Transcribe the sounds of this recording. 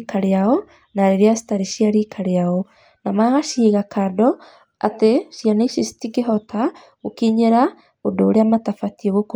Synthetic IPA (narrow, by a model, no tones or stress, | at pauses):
kaɾeaɔ | naɾeɾeasi̥taɾiʃiaɾikʰaɾeaɔ | namaːɣaʃiːɣakʰadɔ | a̰teʃjaneiʃisi̥tiɡeɦɔta | okiɲeɾa | odoːɾeamatafatiɔɣok